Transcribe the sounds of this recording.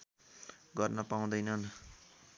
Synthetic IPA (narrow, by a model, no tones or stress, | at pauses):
ɡʌrnʌpaũd̪ʌjnʌn